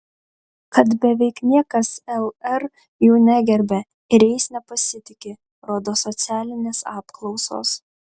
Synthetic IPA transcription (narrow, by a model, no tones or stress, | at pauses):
kɐt̪bʲɛʋʲɛɪknʲiɛkɐsɛlˠɛɾ | juːnʲæɡʲɛɾʲbʲɛ | ɪɾʲɛɪsnʲɛpɐsʲɪt̪ʲɪkʲɪ | ɾoːd̪oːsɔt̪sʲæːlʲɪnʲeːsɑːpklˠɒʊso̰ːs